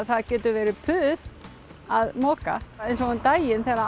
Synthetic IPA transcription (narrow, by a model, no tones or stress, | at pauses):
θaðcɛːt̪ʏvɛːɾɪpʰʏːð | aðmɔːka̰ɛjns̬ɔɣʏnt̪aːjɪnθɛɾa